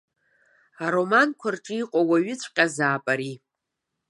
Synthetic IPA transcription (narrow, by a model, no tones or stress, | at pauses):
aɾo̞mankʷʰarʈ͡ʂʼɨiqʼawaɥɪt͡sʷʰʼqʲʼazaːpʼaɾi